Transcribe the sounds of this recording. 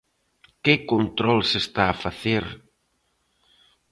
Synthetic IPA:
kɪkont̪ɾɔlsest̪aːfaθeɾ

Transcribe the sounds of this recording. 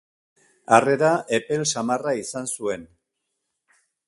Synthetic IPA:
are̞ɾaʔepe̞lsamaraisansue̞n

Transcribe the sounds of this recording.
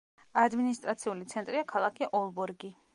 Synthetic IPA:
ad̪minist̪ʼɾat̪sʰiulit̪sʰɛnt̪ʼɾiakʰalˠakʰiʔɔlˠbɔɾɡi

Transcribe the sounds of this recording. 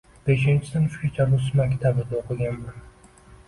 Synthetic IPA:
b̥e̞ʃɪnt͡ʃʰɪd̪anʃʊ̥kʲat͡ʃʰaɾʊsmakʲt̪ʰabɪd̪aoqʰɨɡʲanman

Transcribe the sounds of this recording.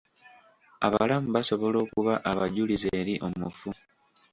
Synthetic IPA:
a̰βaalamuβaso̞βo̞lo̞ːkuβaʔaβaɟulizeːɾiʔo̞mufu

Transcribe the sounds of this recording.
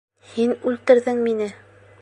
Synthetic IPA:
hinʉlt̪ɘ̆ɾðɘŋminɘ

